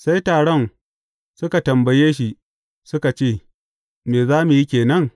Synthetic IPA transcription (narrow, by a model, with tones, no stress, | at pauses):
sa˦jtaː˨ɽɔ˦˨n | sʊ˦ka˨tɐ˨mbɐ˨jeː˦ʃ̬i˦˨ | sʊ˦ka˨t͡ʃeː˦˨ | meː˨zaː˦mu˨ji˦kʲeː˨nɐ˦ŋ